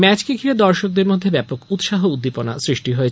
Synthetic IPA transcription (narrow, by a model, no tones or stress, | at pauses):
mɛt͡ɕkeɡkʰiɾed̪ɔɾʃok̚d̪eɾmod̪ʱːebɛpokut̪ʃaɦoud̪ːipona̰sɾiʃʈiɦoet͡ɕʰ